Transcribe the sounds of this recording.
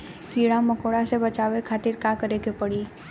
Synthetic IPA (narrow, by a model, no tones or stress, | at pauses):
fʰiːɽãmɐkoːɽasebɐt͡ʃaːʋekʰaːt̪ɪɾkaːkəɾekepəɽiː